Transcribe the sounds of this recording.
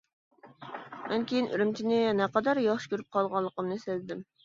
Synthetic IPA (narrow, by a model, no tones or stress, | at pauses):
mʔɛnkʲʰejinʔy̰ɾymt͡ʃʰinɪnɛqɑd̪ɑɾjɑχʃkʲøɾyp̚qʰɑlˠʁɑllˠːəqəmnɨsɪlɪd̪ɪm